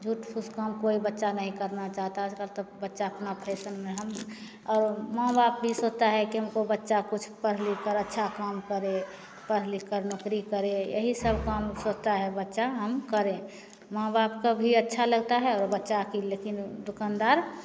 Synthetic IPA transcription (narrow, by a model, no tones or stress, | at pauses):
d͡ʒʱuʈpʰuskamkoibətːʃanəɦĩkəɾnat͡ʃaːɦt̪akəlt̪əbətːʃaəpnapʰeːsənmẽɦəm | ɔːɾmãːbap̚bʱisod͡ʒt̪aɦɛkiɦəmkobətːʃakʊt͡ʃʰpəɾɦlikəɾətːʃʰakaːmkəɾe | pəɾlikəɾnokɾikəɾejə̰ɦisəbʱkamsod͡ʒt̪aɦɛbətːʃaɦəmkəɾẽ | mãːbapkabʱiətːʃʰaləɡ̚t̪aɦɛɔːɾbətːʃakilekind̪ʊkand̪aːɾ